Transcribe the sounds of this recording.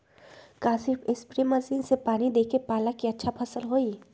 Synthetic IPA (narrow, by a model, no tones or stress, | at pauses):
kaːsɪpʰɪspɾiməsiːnsepaːnid̪eːkepaːlakiɐtːʃʰapʰɐsəlɦoːi